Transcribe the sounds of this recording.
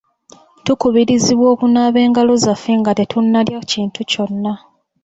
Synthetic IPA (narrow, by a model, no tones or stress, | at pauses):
tukuβiɾiziβwo̞ːkunaːβe̞ːŋɡalo̞zafiŋɡate̞tʰunːaljʔaciːntuco̞nːa